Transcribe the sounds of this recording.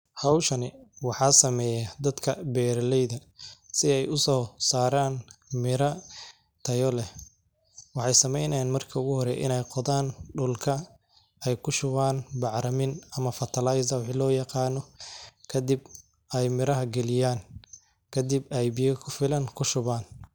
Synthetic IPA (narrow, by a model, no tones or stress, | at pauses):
hɑwʃɐnɪwɑħɑːsɐmɛːjɐd̪ɐd̪kʰɐbɛːɾlɛjðɐsɪɛjʊsɔːsaːɾaːnmɪɾɐ | t̪ʰɐjɔlɛ | wɑħɑjsɐmɛjnɐjaːnmɐrkʰɐʊɣʊhɔɾɛ̰ʔɪ̰nɛjqɔðaːnɖʊlkʰɐ | ɛjkʰʊʃʊβaːnbɑʕɾɐmɪnɐmɐfɐt̪ʰɐlajzɐwħilɔːjɑqɑːnɔkʰɐd̪ib | ɛjmɪɾɐɦɐɡɛlɪjaːn | kʰɐd̪ibɛjbɪjɐkʰʊfɪlɐŋkʰʊʃʊβaːn